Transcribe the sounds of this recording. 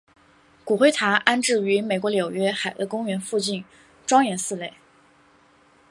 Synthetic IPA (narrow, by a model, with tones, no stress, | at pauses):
ku˨˩xwe˥ɪt̪ʰa˧˥ʔa˥nʈ͡ʂɻ̩˥˩y˧˥me˨˩ɪkwɔ˧˥ljo˨˩ʊɥɛ˥xa˨˩ɪd̪ə˧kʊ˥ŋɥɛ˧˥nfu˥˧t͡ɕi˥˩n | ʈ͡ʂwɑ˥ŋjɛ˧˥nsɹ̩˥˧le˥˩ɪ